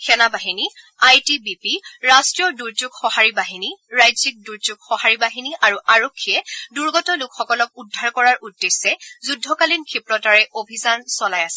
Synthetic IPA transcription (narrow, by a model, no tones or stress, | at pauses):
kʰɛnabaɦini | ajtibipiɹastɹijɔduɹd͡ʒuɡxɔhaɹibaɦiniɹajzik̚duɹzuɡ̚xɔhaɹibaɦiniʔaɹuʔaɹokʰːiɛduɹɡɔtɔlʊkxɔkɔlɔk̚udʱːaɹkɔɹaɹudːesːɛzudʱːɔkalinkʰipɹɔtaɹɛʔobʱizansɔlajasɛ